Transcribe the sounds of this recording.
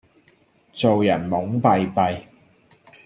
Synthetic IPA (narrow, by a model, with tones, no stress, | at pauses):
t͡so˨wjɐ˨˩nmʊ˨˥ŋpɐ˨jpɐ˨˧j